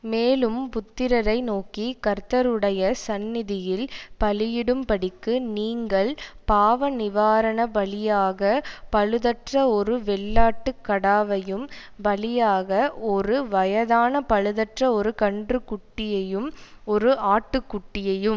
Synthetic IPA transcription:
meːlɯmpʊt̪ːɪɾɐɾɐɪnoːkikɐɾt̪ɐɾɯɽɐjɐsɐnːɪðɪjɪlpɐlɪjɪɽɯmpɐɽɪkːɯniːŋɡɐɭpaːʋɐnɪʋaːɾɐɳɐbɐɭɪjaːɣɐpɐɻɯðɐʈrɐɔɾɯʋɛɭːaːʈːɯkːɐɽaːʋɐjɯm | bɐɭɪjaːɣɐɔɾɯʋɐjɐðaːnɐpɐɻɯðɐʈrɐɔɾɯkɐɳɖrɯkːʊʈːɪjɐjɯm | ɔɾɯʔaːʈːɯkːʊʈːɪjɐjɯm

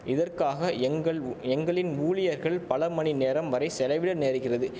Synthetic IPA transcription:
ʔɪðɐrkaːɣɐɛŋɡɐɭɛŋɡɐɭɪnuːlɪjɐɾɣɐɭpɐlɐmɐɳineːɾɐmʋɐɾɐɪsɛlɐɪʋɪɽɐneːɾɯɣɪrɐðɯ

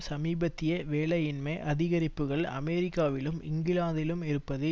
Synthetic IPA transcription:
sɐmiːbɐt̪ːɪjɐʋeːɭɐjɪnmɐʔɐðɪɣɐɾɪpːɯɣɐɭɐ̰mɛːɾɪkːaːʋɪlɯmɪ̰ŋɡɪlaːðɪlɯmɪɾɯpːɐðɯ

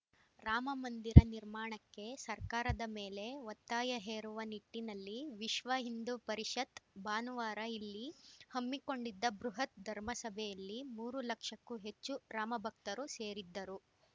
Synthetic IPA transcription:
ɾaːmɐmɐnd̪iɾɐniɾmaːɳɐkːe̞sɐɾkaːɾɐd̪ɐme̞ːle̞ʋɐt̪ːaːjɐɦeːɾuʋɐniʈːinɐlːiʋiʃʋɐɦind̪upɐɾiʂɐt̪baːnuʋaːɾɐilːihɐmːikoɳɖid̪ːɐbɾuɦɐt̪̚d̪ʱɐɾmɐsɐbʱɛjɐlːimuːɾulɐkʂɐkːuɦe̞t͡ʃːuɾaːmɐbʱɐk̚t̪ɐɾuse̞ːɾid̪ːɐɾu

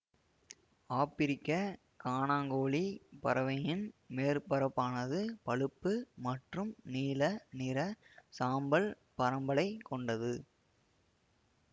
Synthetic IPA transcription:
aːpɪɾɪkːɐ | kaːnaːŋɡoːɭipɐɾɐʋɐjɪnmeːrpɐɾɐpːaːnɐðɯpɐɻɯpːɯmɐʈrɯmniːlɐnɪɾɐsaːmbɐl | pɐɾɐmbɐɭɐɪkːɔɳɖɐðɯ

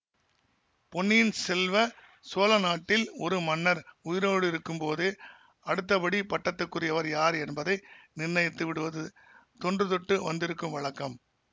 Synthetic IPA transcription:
pɔnːijɪnsɛlʋɐ | soːlɐnaːʈːɪlɔɾɯmɐnːɐɾʊjɪɾoːɽɯɪɾɯkːɯmpoːðɯ | ɐɽɯt̪̬ːɐpɐɽipɐʈːɐt̪ːɯkːɯrɪjɐʋɐɾjaːɾɛnbɐðɐɪnɪrnɐjt̪ːɯʋɪɽɯʋɐðɯ | t̪ɔndrɯt̪ɔʈːɯʋɐnd̪ɪɾɯkːɯmʋɐɭɐkːɐm

